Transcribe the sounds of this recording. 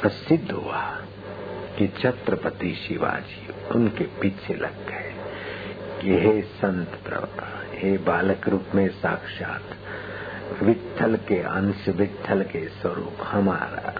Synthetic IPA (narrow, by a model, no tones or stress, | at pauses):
pɐsɪd̪ʱːɦua | kit͡ʃʰɐt̪ɾəpət̪iːʃiʋa̰ːd͡ʒiʊnkepiːt͡ʃʰelʔɐ̰ɡe | kiɦesɐ̃nt̪pɾɐ̰ʋt̪aɦebaːləkɾuːpmẽsaːkʃa̰ːt̪ | ʋɪt̪ʰːəlkeɐ̰̃nsʋɪt̪ʰːəlkeswɐɾṵːphɐma̰ːɾa̰